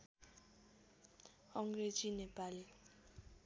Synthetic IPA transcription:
ɔŋret͡ʃʼinɛpʼalɪ

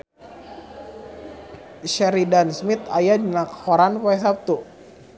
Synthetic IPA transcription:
ʃɛɾidansmit̪ajadinakhɔɾanpɔɛs̬ap̚t̪u

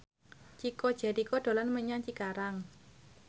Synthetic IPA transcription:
t͡ʃikɔd̥ʒ̥a̤ɾikɔɖ̪̥o̤lanməɲaŋt͡ʃikaɾaŋ

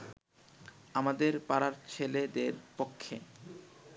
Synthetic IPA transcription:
amad̪eɾpaɾaɾt͡ɕʰeled̪eɾpokʰːḛ

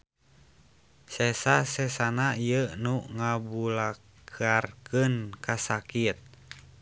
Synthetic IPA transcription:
sɛsasɛsanaijənuŋabula | kʰarkənkasakit̪̚

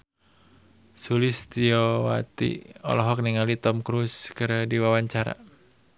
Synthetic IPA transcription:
sulist̪iɔwa̰t̪ḭɔ̰lɔɦɔk̚niŋalit̪ɔmkɾuskɨrdiwawaɲt͡ʃaɾa̰

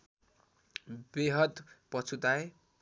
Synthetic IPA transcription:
beɦʌt̪pʌt͡sʰut̪ae

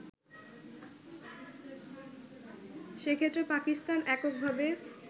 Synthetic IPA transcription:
ʃekʰet̪ːɾepakisʈanɛkok̚bʱabe

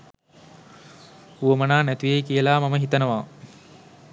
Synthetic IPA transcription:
uʋəmənaːnæt̪ujejkijəlaːmaməɦit̪ənəʋaː

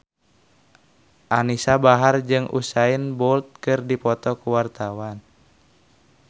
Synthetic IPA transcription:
ʔanisabaɦard͡ʒɨŋʔṵsainbɔlt̪̚kɨrdipɔt̪ɔkuwart̪awan

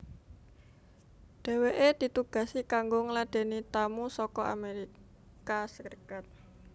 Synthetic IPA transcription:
ɖ̥e̤weʔed̪̥i̤t̪uɡ̥ä̤sikaŋɡoŋəlaɖ̪̥e̤nit̪amusɔkɔʔa̰meɾi | kasərkat̪̚

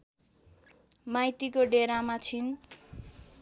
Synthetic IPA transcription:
majt̪ikoɖeɾamat͡sʰin

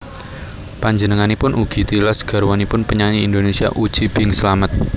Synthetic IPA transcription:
paɲd͡ʒənəŋanipʊnʔuɡ̥i̤t̪ilasɡ̥ä̤ɾwanipʊnpəɲaɲiːnd̪onesia̰ʔu̥ʒ̥ib̥ɪŋsəlamət̪̚

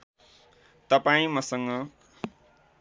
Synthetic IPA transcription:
t̪ʌpaĩmʌsʌŋɡʌ

